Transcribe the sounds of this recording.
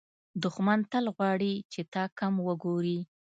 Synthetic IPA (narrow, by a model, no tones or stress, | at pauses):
d̪ʊxmant̪əlɣwɑɽit͡ʃet̪ɑkamwəɡoɾi